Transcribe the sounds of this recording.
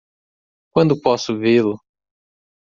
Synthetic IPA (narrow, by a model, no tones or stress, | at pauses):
kwɐ̃nd̪ʊpɔsʊvelʊ